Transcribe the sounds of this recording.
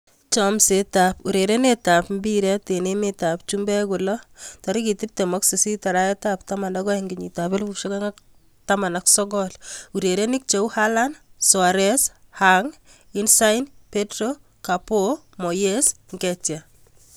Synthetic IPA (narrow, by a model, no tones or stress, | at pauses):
t͡ʃɔmsetapuɾeɾenetapmbiɾɛtenemetap̚t͡ʃumbɛkulɔtɔɾikitip̚temɔksesitaɾaetaptamandɔkɔɛŋɡiɲitapelbupʃokaŋak | tamanaksɔɡɔluɾeɾenik̚t͡ʃeuhalanswaɾɛshaŋinsajnpetɾo | kapomojes | ŋɡɛtja